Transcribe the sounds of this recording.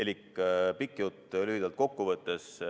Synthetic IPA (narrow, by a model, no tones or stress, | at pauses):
elʲikːpikːˑjut̪lyhid̪ɑlt̪̚ko̞kːuvɤt̪ːes